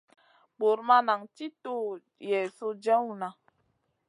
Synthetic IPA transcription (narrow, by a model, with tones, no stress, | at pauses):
bo˨ɾma˦na˨ŋti˦to˦ | jɛ˨so˦d͡ʒɛ˦wu˦˨na˨